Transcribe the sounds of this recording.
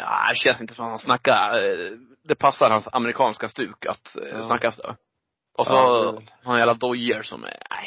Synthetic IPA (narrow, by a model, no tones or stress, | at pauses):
jɑ̰ːd̪ɛɕɛnsɪnt̪ə̥sɔmat̪hansnakːaɾ | d̪ɛpʰasːaɾhansamɛɾɪkʰɑːnskast̪ʉ̟ːka̰t̪snakːasd̪ɛ̰ | ʔɔsɔhɾanjæːlad̪ɔjəɾsɔ̰mɛ̰æ̰ɪ